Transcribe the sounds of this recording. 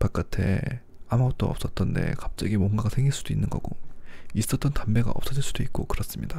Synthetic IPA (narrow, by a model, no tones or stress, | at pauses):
pak͈atʰe̞̰ | amuɡʌt̚t͈oʌp̚s͈ʌt̚t͈ʌnde̞̰kap̚t͡ɕ͈ʌɡimoŋɡaɡasʰe̞ŋɡiɭs͈ud̥oinːɯnɡʌɡ̥ois͈ʌt̚t͈ʌntambe̞ɡa̰ʌp̚s͈ʌd͡ʑiɭs͈ud̥oik̚k͈okɯɾʌs͈ɯmɲida